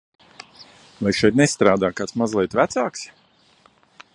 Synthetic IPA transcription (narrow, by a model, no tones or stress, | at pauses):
vajʃɛjt̪nɛst̪ɾaːd̪aːkaːt̪smazlˠɛjt̪væt̪saːks